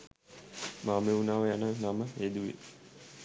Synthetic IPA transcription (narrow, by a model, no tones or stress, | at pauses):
maːmeunaːʋəjanənaməed̪uʋḛ